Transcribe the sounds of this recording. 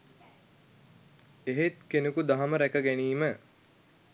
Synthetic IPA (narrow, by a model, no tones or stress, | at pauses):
eɦet̪kenukud̪aɦɐməɾækəɡæniːmə